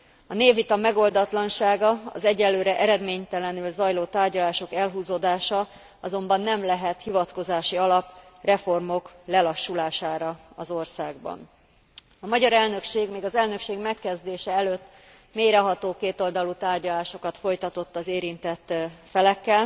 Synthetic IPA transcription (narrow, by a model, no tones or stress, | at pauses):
ɒneːvit̪ɒmɛɡo̞ld̪ɒt̪lɒnʃaːɡɒɒ̰zɛɟɛlːøːɾɛʔɛɾɛd̪meːɲt̪ɛlɛnylzɒjloːt̪aːrɟɒlaːʃo̞kɛlɦuːzoːd̪aːʃɒ | ɒzo̞mbɒnːɛmlɛɦɛt̪hivɒt̪ko̞zaːʃiɒlɒprɛfo̞rmo̞klɛlɒʃːulaːʃaːɾɒɒzo̞rsaːɡ̚bɒ̰n | ɒmɒɟɒɾɛlnø̞kʃeːɡmeːɡɒzɛlnø̞kʃeːɡmɛkːɛzd̪eːʃɛɛløt̪ː | meːjɾɛɦɒt̪oːkeːt̪o̞ld̪ɒlut̪aːrɟɒlaːʃo̞kɒt̪fo̞jt̪ɒt̪o̞t̪ːɒzeːɾint̪ɛt̪ːfɛlɛkːɛl